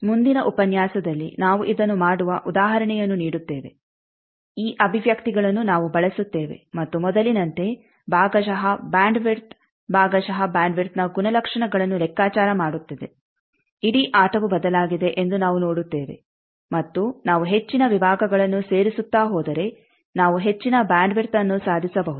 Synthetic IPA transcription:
mund̪inɐʔupɐnjaːsɐd̪ɐlːḭnaːʋuʔid̪ɐnːumaːɽuʋɐʔud̪aːɦɐɾɐɳɛjɐnːuniːɽut̪ːeːʋe̞̰ | iːʔɐbʱiʋjɐkt̪iɡɐɭɐnːunaːʋubɐɭesut̪ːe̞ːʋe̞̰mɐt̪ːumɔd̪ɐlinɐnt̪e̞ | bʱaːɡɐʃɐɦɐbaːɳɖʋiɾt̪ | bʱaːɡɐʃɐɦɐbjaːɳɖʋiɾt̪nɐɡunɐlɐkʂɐɳɐɡɐɭɐnːulɛkːaːt͡ʃaːɾɐmaːɽut̪ːɐd̪e | iɽiʔaːʈɐʋubɐd̪ɐlaːɡid̪e̞ʔend̪unaːʋuno̞ːɽut̪ːe̞ːʋe̞̰ | mɐt̪ːunaːʋuɦe̞t͡ʃːinɐʋibʱaːɡɐɡɐɭɐnːuse̞ːɾisut̪ːaːɦɔːd̪ɐɾe̞ | naːʋuɦe̞t͡ʃːinɐbaːɳɖʋiɾt̪ɐnːusaːd̪ʱisɐbɐɦud̪u

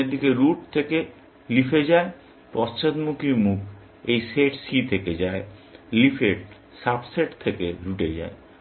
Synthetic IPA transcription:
ed̪ikeɾuʈ̚t̪ʰeke | lifʰed͡ʑae | pɔst͡ɕad̪mukimukʰ | ejseʈsit̪ʰeked͡ʑaelifʰeʈ̚ | sabseʈt̪ʰekeɾuʈed͡ʑa̰e

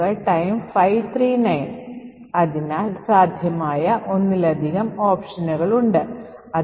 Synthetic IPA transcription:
ɐɭʈɐjmfɐjʋt̪ʰriːnɐjn | ɐðinaːlsaːd̪ʱjɐmaːjɐʔo̞nːilɐd̪ʱiɣɐmoːpʂɐnuɣɐɭuɳɖɨɐ

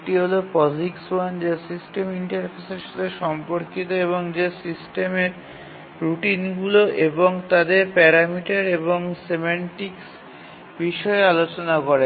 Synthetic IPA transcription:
ʈiɦolofɔd͡ʑikswand͡ʑesisʈemiɳʈaɾpʰeseɾʃad̪eʃɔmpoɾkit̪̬oeβoŋd͡ʑesisʈemeɾ | ɾuʈinɡuloʔeboŋt̪ad̪eɾpɛɾamiʈaɾeβoŋsemaɳʈiks | biʃɔealot͡ɕonakoɾe

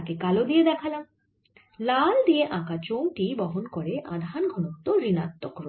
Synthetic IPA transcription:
akekalod̪ijed̪ɛkʰala | lald̪ieʔãkat͡ɕowʈibɔɦonkoɾeʔa̰d̪ʱanɡʱonot̪oɾinat̪ːokɾo

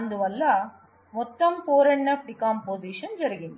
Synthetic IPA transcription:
nd̪ɯʋɐlːaː | mɔt̪ːɐmpoːɾɐɳːɐʈɪkːaːmpoːsiːʂɐnd͡ʒɛɾɯɣɪnd

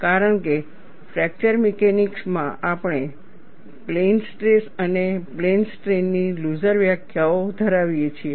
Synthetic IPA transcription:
kaɾəɳke | fɾɛk̚t͡ʃəɾmekeniksmãʔapɳ̃e | plensʈɾesəneplensʈɾenːiluzəɾʋjakʰjaod̪ʱəɾaʋjet͡ʃʰie

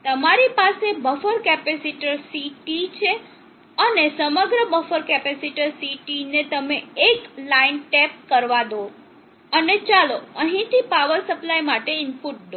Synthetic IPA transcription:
t̪əmaɾipasebəfəɾkɛpesiʈəɾsiʈit͡ʃʰe | ənesəməɡɾəbəfəɾkɛpɛsiʈəɾsiʈinet̪əmeːklainʈɛp̚kəɾʋad̪o | ənet͡ʃaloə̃ɦĩt̪ʰipaʋəɾsəplajmaʈeɪnpuʈ̚d̪o

